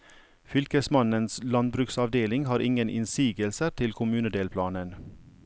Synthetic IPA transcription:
fʏlkəsmɑnənslɑn̚bɾʉksɑʋd̪eːlɪŋhɑːɾʔɪŋənʔɪ̰nsiːɡəlsət̪ʰɪlkʰʊmʉːnəd̪eːlpʰlɑːnən

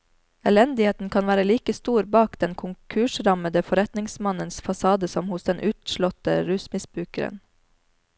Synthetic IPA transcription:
ɛlɛnd̪ɪeːt̪n̩kʰɑnʋæːɾəliːkəst̪uːɾbɑːkd̪̥ɛnkʰʊŋkʰʉːʃɾɑməd̪əfɔɾɛt̪nɪŋsmɑnənsfɑsɑːd̪əsɔmhʊsd̪ɛnʔʉːt̪ʃlɔt̪əɾʉːsmɪsbɾʉːkəɾə̰n

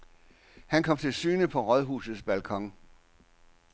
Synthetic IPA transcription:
hænkʰɒ̽m̰t͡sʰe̝lsyːnəpʰɒ̽ʁɒðˠɦṵːsð̩ˠsb̥ælkʰɒ̽ŋ̰

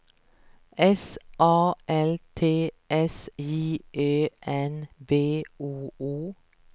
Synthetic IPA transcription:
ɛsʔɑːʔɛlt̪ʰeːʔɛsiːʔøːʔɛnbeːʔuːuː

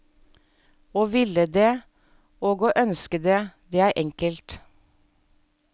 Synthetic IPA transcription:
oːʋɪləd̪eː | oːɡoːʔœnskəd̪eːd̪eːæːɾʔɛŋkəlt̪

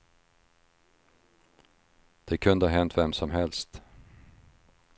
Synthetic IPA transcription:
d̪̥ɛkʰɵnd̪əhaɦɛnt̪vɛmsɔmɦɛlst̪

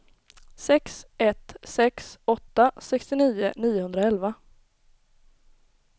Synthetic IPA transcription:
sɛksɛt̪ːsɛksɔt̪ːasɛkst̪ɪniːʊ̰niːʊhɵnd̪ɾaɛlva

